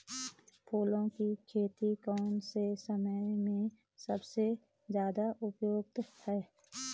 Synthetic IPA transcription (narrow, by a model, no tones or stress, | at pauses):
pʰoːlõkikʰeːt̪ikɔːnsesəməjmẽ | səbse | zjaːd̪aʔʊpjoːɡ̚t̪hɛː